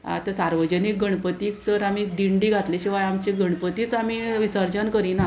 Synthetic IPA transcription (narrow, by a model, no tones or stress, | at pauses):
a̰t̪asaɾʋəd͡ʑənik̚ɡəɳpət̪iːkt͡səɾamid̪iɳɖiːɡʱat̪leɕiʋajamt͡ɕeɡəɳ̃pət̪iːt͡samiːʋisəɾd͡ʑənkəɾiːna